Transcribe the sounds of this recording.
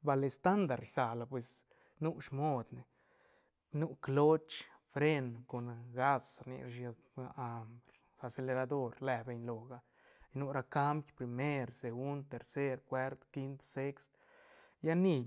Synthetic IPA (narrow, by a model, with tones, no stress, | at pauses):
ba˧le˧st̪a˦nd̪a˨ɾsa˨la˨pwe˨s | nu˦ʂmo˦d̪ne˨ | nu˦klo˦t͡ʃ | fɾe˦˧nko˨nɡa˦sɾnḭ˧ʃa˧ | a˧mbɾ | a˧se˧le˧ɾa˧d̪o˦ɾlɛ˧be˧ɲlo˨ɡa˧ | jnu˦ɾa˧ka˦mbjpɾi˨me˦ɾse˨ɡu˦nd̪̚t̪e˨ɾse˦ɾkwe˦ɾt̪ki˦nt̪se˦kst̪ | ja˦ni˧